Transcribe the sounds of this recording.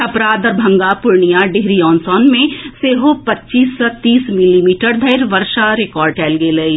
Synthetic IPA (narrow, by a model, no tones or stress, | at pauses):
ɐpɾaːd̪ɔɾbʱɐ̃ŋɡapʊɾɳijaɖeɦɾiɔːnsɔːnmẽseːɦopɐtːʃiːsːɔt̪iːsmɪlimiːʈəɾd̪ʱɐɪɾʋɐɾʃaɾekɔːɾɖʈɛːlɡelɐi